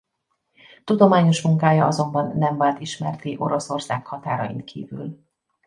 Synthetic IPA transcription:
t̪ud̪o̞maːɲo̞ʃmuŋkaːjɒɒzo̞mbɒnːɛɱvaːlt̪iʃmɛrt̪iʔo̞̰ɾo̞so̞rsaːkhɒt̪aːɾɒjḭnt̪kʰḭːvy̰l

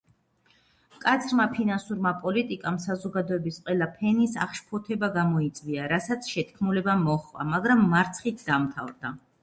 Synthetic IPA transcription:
kʼat̪sʰɾmapʰinansuɾmapʼɔlit̪ʼikʼamsazɔɡad̪ɔɛbisqʼwɛlˠapʰɛnisa̰χʃpʰɔt̪ʰɛbaɡamɔit̪sʼviaɾasat̪sʰʃɛt̪ʰkʰmulɛbamɔχva̰maɡɾamːaɾt̪sʰχit̪ʰd̪amt̪ʰavɾd̪a

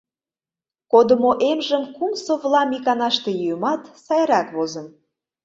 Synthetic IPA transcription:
kod̪ə̆moʔemʒə̆mkumsoβlɑmikɑnɑʃt̪e̽jujəmɑt̪sɑjɾɑkβozə̆n

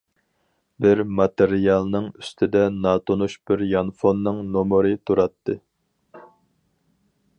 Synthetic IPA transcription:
bɪɾmɑt̪eɾijɑlˠnɨŋy̥st̪ʰɪd̪ɛnɑːt̪ʰonuʃb̥ɪɾjɑnfonːɨŋnomɨɾɨt̪ʰuɾɑt̪ʰːɨ

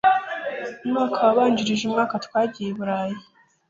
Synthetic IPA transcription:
umŋaːkʰawaβaːɲɟiɾiʒumŋaːkatkwaːɟijeβuɾaːji

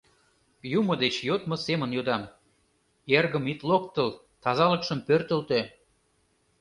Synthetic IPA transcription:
jumŏd̪et͡ɕjot̪mɤ̆semənjod̪ɑm | erɣə̆mit̪lok̚t̪əl | t̪ɑzɑlə̆kʃə̆mpørt̪ə̆lt̪e

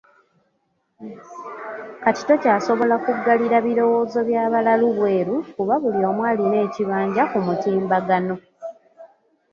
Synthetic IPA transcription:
kati̥to̞caːso̞βo̞lakuɡːaliɾaβiɾo̞wo̞ːzo̞βjaːβalaluβwe̞ːɾukuβaβulio̞ːmwaːline̞ːciβaːɲɟakumutiːmbaɡano̞

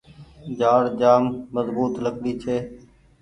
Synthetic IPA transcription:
d͡ʒaːɽd͡ʒaːmːəzbuːt̪ləɡɽiːt͡ʃʰeː

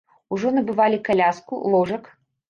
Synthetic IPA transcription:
uʐɔnɐbɨvalʲikalʲaskṵlˠɔʐɐk

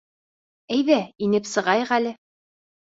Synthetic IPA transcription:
æjðæinɘpsɤ̆ʁɑjɤʁælɘ

